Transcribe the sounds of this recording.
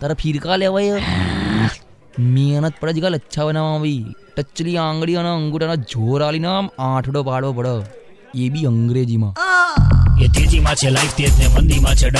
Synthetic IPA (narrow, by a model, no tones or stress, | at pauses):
t̪əɾəpʰiɾkaleʋaje | meːnət̪̚pəɽəd͡ʒikalətːʃʰabənaːʋãːʋiːʈət͡ʃːliãːŋɡɽianaəŋɡuʈanad͡ʒʱoːɾaːlinaːmãːʈʰɽopaːɽʋoːp̬əɽəː | eːbʱiəŋɡɾeːd͡ʒimãː | et̪ed͡ʒimãt͡ʃʰelaifʰt̪eːsnemənd̪imãt͡ʃʰeɖ